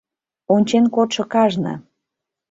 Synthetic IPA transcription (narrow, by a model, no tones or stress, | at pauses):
onʲt͡ɕenkot̪ʃɤ̆kɑʒnə̰